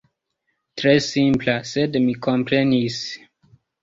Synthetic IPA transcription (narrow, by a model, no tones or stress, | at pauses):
tʰɹesĩmpʰlasɛdmikʰɔ̃mpʰɹẽnis